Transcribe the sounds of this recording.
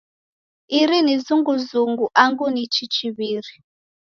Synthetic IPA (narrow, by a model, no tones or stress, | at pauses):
iɾinizuŋɡuzuŋɡuʔaŋɡunit͡ʃit͡ʃiβiɾi